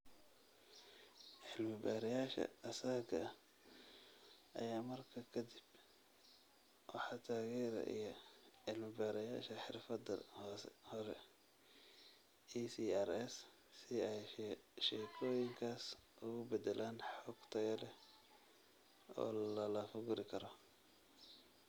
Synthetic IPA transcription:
ʕɪlmɪbaːɾɛjaːʃɐ̰ɐsaːɡʰɐ | ʔɐ̰jaːmɐrkʰɐkʰɐd̪ib | wɑħɑt̪ʰaːɣɛːɾɐ̰ʔḭjɔʕɪlmɪbaːɾɐjaːʃɐħɪrfɐd̪ɐ̰hɔːsɛ̰hɔɾɛ | iːsiːɛɾɛs | sɪɛjʃɛːkʰɔːjɪŋkʰaːsʔʊɣʊbɛd̪ɛlʔaːnħɔɡt̪ʰɐɣɐlɛ | ɔ̰ːllɐlɐfʊɣʊɾɪkʰɐɾɔ

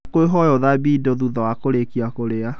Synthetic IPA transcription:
koeɦɔjɔðabiːdoðuðɔwakoɾekiakoɾea

